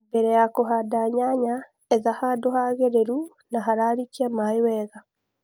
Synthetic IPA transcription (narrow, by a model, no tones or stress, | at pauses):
bɛɾɛjakoɦadaɲaɲa | ɛðahadohaɣeɾeɾu | naɦaɾaɾikiamaewɛːða